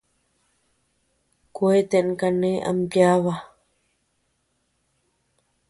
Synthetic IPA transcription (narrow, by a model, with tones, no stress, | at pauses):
kwe˦t̪e˨ʔnka˨nẽ˦ʔa̰˨mpja˦βa˦